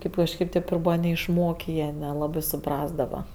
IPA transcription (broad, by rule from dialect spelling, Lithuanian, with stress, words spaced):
ˈkʲeːp kɐʃʲˈkʲeːp tʲeːp ɪr ˈbuːʋɐ nʲɛɪʃˈmoːkʲeː ˈjiɛ nʲɛˈlˠɑːbɜ sʊˈprɑːzdɐʋɐ